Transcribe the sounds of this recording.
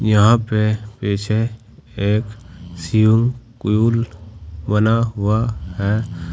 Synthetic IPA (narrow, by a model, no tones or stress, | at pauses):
jəɦãpepeːt͡ʃʰe | eːksijũŋɡkʊjulbənaɦʊaɦɛ